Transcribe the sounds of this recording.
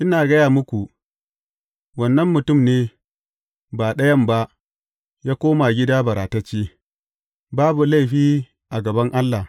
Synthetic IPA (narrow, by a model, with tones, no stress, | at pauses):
ʔɪ˦naː˨ɡɐ˦jaː˨mʊ˦kʷu˨ʔ | wɐ˨nːɐ˦mːʊ˨tʊ˦˨mneː˦ | baː˨ɗɐ˦jɐ˦mba˦ʔ | jaː˦kʷoː˦ma˨ɡʲɪ˦daː˦bɐ˨ɾaː˨tɐ˦t͡ʃːiː˦ | baː˦bu˨la˦jɸiː˦ | ʔa˨ɡɐ˨bɐ˦ŋʔa˦lːa˨